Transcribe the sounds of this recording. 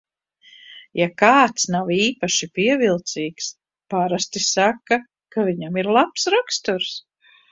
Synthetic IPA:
jakaːt̪snawiːpaʃipiɛvilˠt̪siːks | paɾast̪isakːa | kaviɲamiɾlˠapsɾakst̪uɾs

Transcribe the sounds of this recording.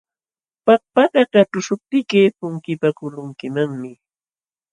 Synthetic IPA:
pak̚pakakaʈ͡ʂʊʃʊp̚t̪ɪkɪpʊŋkɪpakʊlʊŋkɪmaŋmɪ

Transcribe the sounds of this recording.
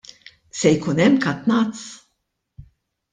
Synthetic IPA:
sɛjkuːnɛmːkɐt̪nɐt̪s

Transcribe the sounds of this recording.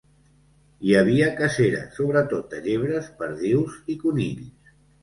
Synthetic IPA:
iəβ̞iəkəseɾə̰soβɾət̪ot̪̚d̪əʎeβ̞ɾəspəɾðiwzikunḭʎs

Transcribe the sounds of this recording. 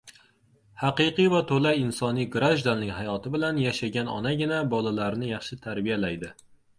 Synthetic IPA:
hɑqɨqɨjvat̪ʰolajɪnsɒnijɡɾaʒd̪annːɪŋhajɒt̪ʰɪbɪlanjaʃaɡʲanɒ̰naɡʲɪnabɒlˠalaɾnɪjɑχʃɪt̪ʰaɾbijalajd̪ɪ

